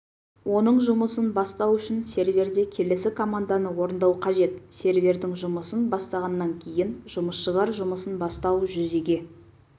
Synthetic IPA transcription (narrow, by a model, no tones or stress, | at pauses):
wʔo̞nəɴʒʊməsənbɑst̪ɑwʏʃɪnse̞ɾvʲe̞rd̪e̞kʲʰe̞le̞sɪkʰo̞mand̪ɑnəwo̞ɾənd̪ɑwqʰɑʒe̞t̪se̞ɾvʲe̞ɾd̪ɪŋʒʊməsənbɑst̪ɑʁɑnːɑŋkʲʰe̞jɪnʒʊməsʃəʁɑɾʒʊməsənbɑst̪ɑwʒʏze̞ɡʲe̞